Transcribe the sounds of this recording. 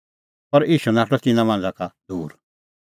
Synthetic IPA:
pɐɾiːʃunaːʈɔt̪ɪnãmãnd͡zakad̪uːɾ

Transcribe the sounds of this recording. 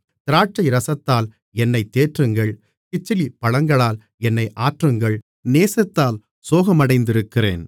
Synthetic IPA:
t̪ɪɾaːʈ̚t͡ʃːɐɪɾɐsɐt̪ːaːl | ɛnːɐɪt̪ːeːʈrɯŋɡɐɭ | kɪt͡ʃːɪlipɐɻɐŋɡɐɭaːl | ɛnːɐɪʔaːʈrɯŋɡɐɭ | neːsɐt̪ːaːl | soːɣɐmɐɽɐɪnd̪ɪɾɯkːɪrḛːn

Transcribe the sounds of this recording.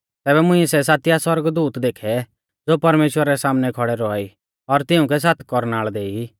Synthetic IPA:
t̪ɛːbɛmʊ̃ĩsɛs̬aːt̪ɪjaswɐɾɡd̪uːt̪d̪eːkʰɛ | d͡zoːpɐɾmeːʃwəɾaɾɛsaːmnɛkʰɔɽɛɾɔaːi | ɔɾt̪ɪʊ̃k̬ɛs̬aːt̪ʰkɔɾnaːɭd̪eːi

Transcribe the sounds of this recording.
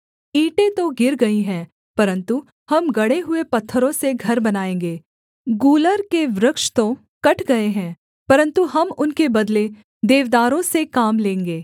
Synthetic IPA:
iːʈẽt̪oɡɪɾɡɐiɦɛ̃ː | pɐɾə̃nt̪u | hɐmɡɐɽeɦʊepɐt̪ʰːəɾõseɡʱɐɾbɐnaːẽːŋɡeː | ɡuːləɾkeʋɾɪkʃt̪õ | kɐʈʰɡɐeɦɛ̃ː | pɐɾə̃nt̪uɦɐmʊnkebɐd̪le | d̪eːʋd̪aːɾõsekaːmlẽːŋɡeː

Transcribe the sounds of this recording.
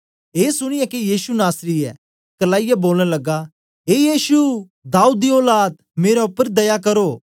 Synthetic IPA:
eːsʊɽ̃ɪjakijiːsunaːsɾiɛ̰ | kɐlaːɪjaboːlɽ̃lɐɡa | eːjiːsu | d̪aːuːd̪ioːlaːd̪̚ | meːɾaʊpːəɾd̪ɐjakɐɾoː

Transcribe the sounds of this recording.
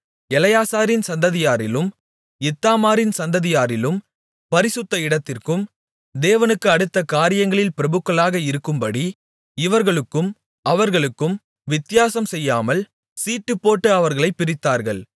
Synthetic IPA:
ɛlɐjaːsaːɾɪnsɐnd̪ɐðɪjaːɾɪlɯm | ɪt̪ːaːmaːɾɪnsɐnd̪ɐðɪjaːɾɪlɯm | pɐɾɪsɯt̪ːɐɪɽɐt̪ːɪrkɯm | d̪eːʋɐnɯkːɯɐɽɯt̪ːɐkaːɾɪjɐŋɡɐɭɪlpɪɾɐbɯkːɐlaːɣɐɪɾɯkːɯmpɐɽi | ɪʋɐɾɣɐɭɯkːɯm | ɐʋɐɾɣɐɭɯkːɯm | ʋɪt̪ːɪjaːsɐmsɛjːaːmɐl | siːʈːɯpːoːʈːɯɐʋɐɾɣɐɭɐɪpːɪɾɪt̪ːaːɾɣɐɭ

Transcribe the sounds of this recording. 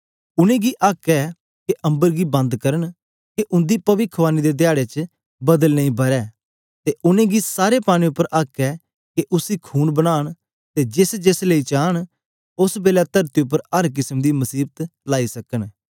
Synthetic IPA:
ʊnẽːɡiːʔaːkɛː | keʔə̃mbəɾɡiːbɐ̃nd̪kəɾəɳ | keʔʊ̃nd̪iːpɐʋɪkʰʋaːniːd̪eːd̪ɪjaːɽeːt͡ʃ | bɐd̪əlnəĩːbʱɐɾɛː | t̪eːʔʊnẽːɡiːsaːɾepaːɽ̃ĩːʊpːəɾʔaːkɛː | keʔʊsiːkʰuːnbəɽ̃aːɳ | t̪eːd͡ʒɪsd͡ʒesləiːt͡ʃaːɽ | ʊsbeːlɛːt̪əɾt̪iʊp̬ːəɾɦəɾk̬ɪsmd̪iːməsiːbət̪laːiːsɐkən

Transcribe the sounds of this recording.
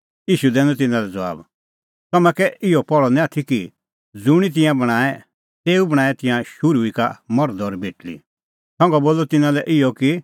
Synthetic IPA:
jiːʃud̪ɛːnũt̪̬ɪnãlɛd͡zɐʋa̰ːb | t̪ɐmɛ̃kɛʔɪɔpɔɭɔnɛ̃at̪ʰiki | d͡zuɽ̃it̪̬ɪ̃jãbɐɽ̃aːɛ | t̪eːubɐɽ̃aːɛt̪ɪ̃jãʃʊɾuika̰mɔɾd̪ɔɾbʱeːʈlḭ | sɔ̃ŋɡɔboːlɔt̪ɪnãlɛʔɪjɔki

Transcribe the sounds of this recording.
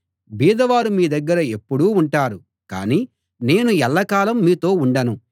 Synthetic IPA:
biːd̪ɐʋaːɾumiːd̪ɐɡːɐɾɐe̞pːuɽuːuɳʈaːɾu | ka̰ːniː | ne̞ːnuɛlːɐkaːlɐmːiːt̪o̞ːuɳɖɐnu

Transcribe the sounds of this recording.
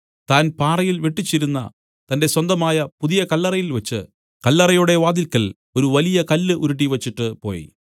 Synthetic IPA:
t̪aːnpaːrɐjilʋeʈːit͡ɕːiɾunːɐ̰ | t̪ɐnde̞swɐnd̪ɐmaːjɐpuðijɐkɐlːɐrɐjilʋɐt͡ɕːɨ̰ | kɐlːɐrɐjuɽe̞ʋaːd̪ilkːɐl | o̞ɾuʋɐlijɐkɐlːɨʔuɾuʈ̬ːiʋɐt͡ɕːiʈːɨpo̞̰ːjḭ

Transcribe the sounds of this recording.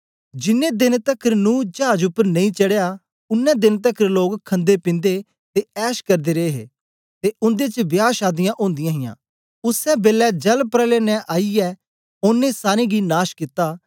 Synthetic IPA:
d͡ʒɪnːẽd̪ɪnt̪ɐkʰəɾnũːd͡ʒaːd͡ʒʊpːəɾnɐ̃ĩt͡ʃɐɽeja | ʊnːɛ̃d̪ɪnt̪̬əkʰəɾloːkkʰːɐ̃nd̪epɪ̃nd̪e | t̪eɛːʃkɐɾd̪eɾeːɦḛː | t̪eʊ̃nd̪et͡ʃəbjaːʃaːd̪ɪjãʔõːnd̪ɪjãːɦɪ̃jã̰ː | ʊsɛbeːlɛd͡ʒɐlpɾɛːlenɛ̃ʔaːiɛː | onːẽsaːɾĩɡinaːʃkɪt̪aː

